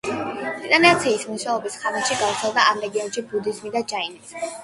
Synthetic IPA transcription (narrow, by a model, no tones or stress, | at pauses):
it̪ʼaniat̪sʰiːsmuʃaɔbisχanɛʃiɡavt̪sʰɛlˠd̪aʔamɾɛɡiɔnʃibud̪izmid̪at͡ʃʰainis